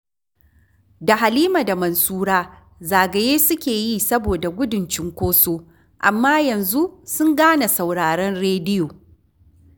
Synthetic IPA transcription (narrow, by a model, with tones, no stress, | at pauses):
da˨ɦa˨liː˦ma˨da˨mɐ˨nsuː˦ɽaː˦ | zaː˨ɡɐ˨jeː˦sʊ˦kʲeː˨jiː˦sɐ˦boː˨da˨ɡʷʊ˦dʊ˨nt͡ʃɪ˦ŋkʷoː˦soː˦ | ʔa˨mːaː˦jɐ˨nzu˦ʔsʊ˦ŋɡaː˦na˨sa˨wɽaː˨ɽɐ˦nɽeː˦dɪ˦joː˨